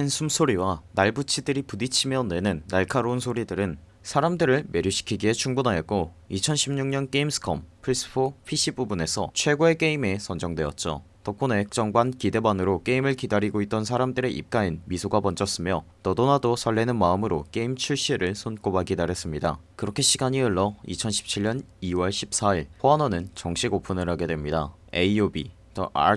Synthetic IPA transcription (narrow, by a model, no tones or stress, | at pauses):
ensʰumsʰoɾiwanaɭbut͡ɕʰidɯɾipudit͡ɕʰimjʌnwe̞nɯnːaɭkʰaɾounsʰoɾidɯɾɯn | sʰaɾamdɯɾɯɭme̞ɾjuɕʰi̥kʰiɡiɦe̞t͡ɕʰuŋbunɦajʌt̚k͈o | it͡ɕʰʌnɕʰimɲuŋɲʌnk͈eimsʰɯ̥kʰʌ̰mpʰɯɾis͈ʰɯ̥pʰoɸʰiɕ͈ʰibubune̞sʰʌt͡ɕʰwe̞ɡoe̞k͈e̞ime̞sʰʌnd͡ʑʌŋdwe̞jʌ̰t̚t͡ɕ͈o̰ | tʌk͈ʰonek̚t͡ɕ͈ʌŋɡwankide̞banɯɾok͈e̞imɯɭkidaɾiɡoit̚t͈ʌnsʰaɾamdɯɾe̞ʔḭp̚k͈ainmisʰoɡabʌnt͡ɕ͈ʰʌs͈ɯmjʌtʌdonadosʰʌɭːe̞nɯnmaɯmɯɾok͈e̞imt͡ɕʰuɭɕ͈iɾɯɭsʰonk͈obaɡidaɾes͈ɯmɲidakɯɾʌkʰe̞ɕʰiɡaɲiɯɭːʌḭt͡ɕʰʌnɕʰi̥p̚t͡ɕʰiɭɲʌniwʌɭɕʰip̚s͈aiɭpʰoanʌnɯnt͡ɕʌŋɕʰiɡopʰunɯɾɦaɡe̞dwe̞mɲida | eiobḭ | tʌ̰a̰